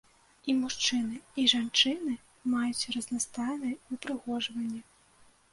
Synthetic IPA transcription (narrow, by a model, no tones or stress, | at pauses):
imuʂt͡ʂɨnɨiʐant͡ʂɨnɨ | majut͡sʲrɐznast̪ajnɐjɨpɾɨɣɔʐvɐnʲːɛ